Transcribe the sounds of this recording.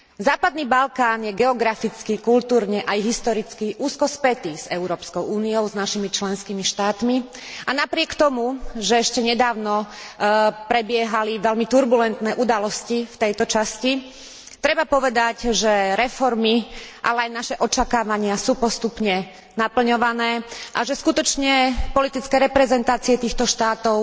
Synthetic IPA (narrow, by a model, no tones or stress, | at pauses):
zaːpad̪niːbalkaːnjɛɡɛɔɡɾafit͡skikult̪uːɾɲɛʔajɦist̪ɔɾit͡skiʔuːskɔspɛt̪iz̥ɛʊɾɔːpskɔʊʔuːniɔʊznaʃimit͡ʃlɛnskiːmiʃt̪aːt̪mi | anapɾɪɛkt̪ɔmuʒɛɛʃcɛɲɛd̪aːʊnɔ | pɾɛbɪɛɦaliʋɛlmit̪uɾbulɛnt̪nɛːʔud̪alɔscift̪ɛjt̪ɔt͡ʃasci | t̪ɾɛbapɔʋɛd̪acʒɛɾɛfɔɾmiʔa̰lɛajnaʃɛʔɔt͡ʃakaːʋaɲɪasuːpɔst̪upɲɛ | napl̩ɲɔʋanɛːʔaʒɛskut̪ɔt͡ʃɲɛpɔlit̪it͡skɛːɾɛpɾɛzɛnt̪aːt͡siɛt̪iːxt̪ɔʃt̪aːt̪ɔʊ